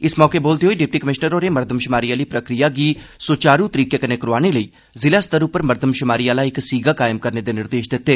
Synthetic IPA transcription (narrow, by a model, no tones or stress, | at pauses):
ɪsmɔːkeboːlt̪eɦoiɖɪp̚ʈikəmɪʃnəɾoːɾemɐɾd̪ʱəmʃɪmaːɾiaːliːpɾəkɾijaɡiːsoːt͡ʃaːɾut̪əɾiːkekɐnekəɾoaːñeləiː | zɪlaːst̪əɾʊpːəɾməɾd̪ʱəmʃʊmaːɾiaːlaːɪksiːɡʱakaːjɪmkəɾned̪eːnɪɾd̪eːʃd̪ɪt̪ːeː